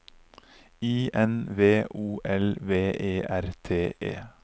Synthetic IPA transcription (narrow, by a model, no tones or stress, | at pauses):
iːʔɛnʋeːʔuːʔɛlʋeːʔeːʔæɾt̪ʰeːʔḛː